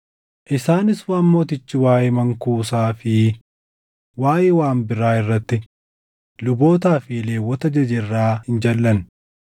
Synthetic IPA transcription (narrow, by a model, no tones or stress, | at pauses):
ʔɪsaːnɪswaːmːo̞ːt̪ɪt͡ʃːɪwaːjɛmɐŋkuːsaːfɪ | waːjewaːmbɪɾaːɪrːɐt̪ːɪ | lʊbo̞ːt̪̬aːfɪle̞ːwːɔt̪ɐd͡ʒɐd͡ʒɛrːaːhɪnd͡ʒɐlːɐn